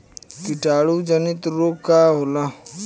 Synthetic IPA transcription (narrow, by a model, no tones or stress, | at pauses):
kɪʈaːɽud͡ʒənɪt̪ɾoːaɦola